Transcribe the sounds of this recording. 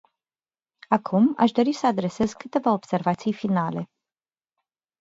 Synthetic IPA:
akʰuma̰ʃd̪o̞ɾisəad̪ɾe̞se̞zkɨt̪e̞vao̞b̥se̞rvat̪sijfinale̞

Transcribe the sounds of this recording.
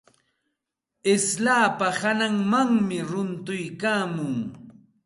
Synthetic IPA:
ɪslaːpahanaŋmaŋmɪɾʊnt̪ʊjkaːmʊŋ

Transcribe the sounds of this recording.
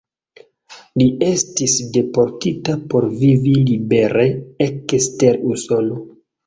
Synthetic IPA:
lie̞stisde̞po̞ɾtitapo̞ɾvivilibeɾeekste̞ɾuso̞no

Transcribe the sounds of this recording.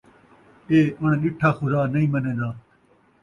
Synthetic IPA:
eːəɳ̃ɗɪʈʰaːxʊd̪aːnəĩːmənẽːd̪aː

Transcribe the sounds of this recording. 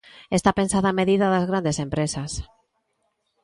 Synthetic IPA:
est̪ape̞nsaðame̞ðiðaðazɣɾand̪esẽ̞mpɾesas

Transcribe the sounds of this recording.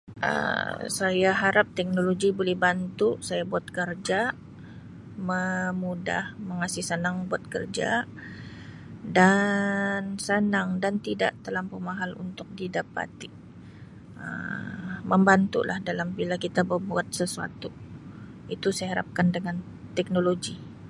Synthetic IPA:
ʔə̰sajaɦaɾap̚t̪ɛk̚noloɡibolɛhbant̪usajabuat̪̚kərd͡ʒa | məmuda̰hməŋasɪhsənaŋbuat̪̚kərd͡ʒa̰ | da | nsənaŋdant̪ida̰ʔt̪əlampəmaɦalṵnt̪ʊk̚didapa̰t̪i | ə̰ | məmbant̪ṵlʔahdalambilakit̪abəbuat̪̚səsua̰t̪u | it̪usajaɦaɾa̰p̚kandəŋan | t̪ɛk̚noloɡi

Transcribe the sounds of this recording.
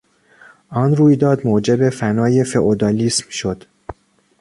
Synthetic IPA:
ʔɒnruːjd̪ɒːd̪moːd͡ʒe̞be̞fænɒːje̞feʔod̪ɒːliːsmʃo̞d̪̥

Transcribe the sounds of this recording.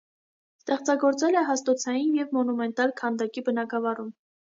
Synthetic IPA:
st̪ɛχt͡sɑɡɔɾt͡sɛlɛɦɑst̪ɔt͡sʰɑjinjɛvmɔnumɛnt̪ɑlkʰɑnd̪ɑkibənɑɡɑvɑrum

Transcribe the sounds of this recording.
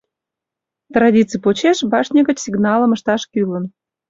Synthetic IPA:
t̪rɑdʲit͡sɨjpot͡ɕeʃbɑʃnʲeɣət͡ɕsʲiɡnɑləməʃt̪ɑʃkylən

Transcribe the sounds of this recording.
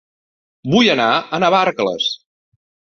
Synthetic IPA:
bujənaənəβaɾklə̰s

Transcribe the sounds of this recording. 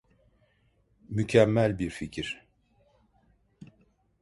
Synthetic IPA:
mycʰæmːælʲbiɾficʰiɾ̥

